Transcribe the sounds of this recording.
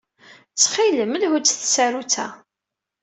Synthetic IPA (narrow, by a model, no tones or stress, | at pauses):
t͡sːχiləməlhud̪θsæɾut͡sæ̰